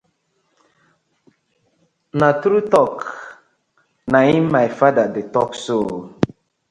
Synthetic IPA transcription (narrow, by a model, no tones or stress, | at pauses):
natɾutɔk | naĩmmajfadadetɔkso